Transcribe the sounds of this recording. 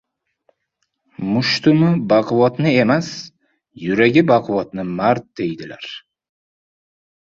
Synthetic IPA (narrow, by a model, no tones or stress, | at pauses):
mʊʃt̪ʊmɪbaqɨvɒt̪nɪe̞mas | jʊɾaɡʲɪbaqʰɨvɒt̪nɪmaɾt̪̚d̪̥e̞jd̪ɪla̰ɾ